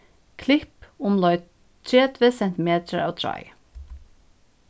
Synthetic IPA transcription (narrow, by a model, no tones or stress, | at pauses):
kʰlɪpʊmlœʏ | t̪ʰɹeːt̪ʰvesɛnt̪ɪmeːt̪ʰəɹɑ̰ːʋt̪ʰɹɑ̰ɪ